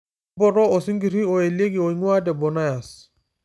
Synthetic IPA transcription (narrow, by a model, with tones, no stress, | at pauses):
bɔ˦˨ɾɔ˦o˨si˦ŋɡi˨ɾi˦o˨e˨le˦ɡi˨o˨i˨˦ŋwa˦dɛ˨bɔ˨na˦ja˨s